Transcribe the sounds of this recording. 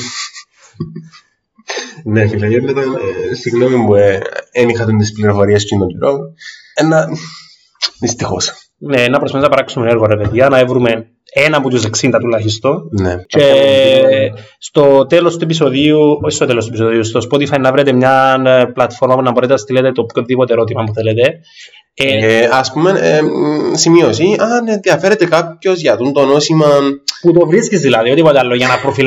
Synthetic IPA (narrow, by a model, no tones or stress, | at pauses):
nefilɐjeɾnet̪ɐnsiɣnomimbuenixɐt̪unt̪ispliɾofoɾiɐscinot̪iɾo | enːɐ | ðist̪ixo̰s | neenːɐpɾosfɐθeznɐpɐɾɐksumeneɾɣoɾepeðiɐnɐevɾume̞ | enɐput̪us̬eksind̪ɐt̪ulɐçist̪onece | st̪o̞t̪elo̞st̪ue̞p̬iso̞ðiuost̪ot̪elost̪uepisoðiust̪ospot̪ifɐinɐeɾet̪emɲɐnplɐt̪fo̞ɾmɐpunɐboɾet̪eɐst̪ilet̪et̪o̞pçonðipot̪eɾot̪imɐpuθelet̪e̞ | eɐspumen | simiosiɐnenðiɐfeɾet̪ekapço̞zʝɐt̪unt̪onosimɐput̪o̞vɾiscizðilɐðiod̪ipot̪eɐlːoʝɐnɐpɾofil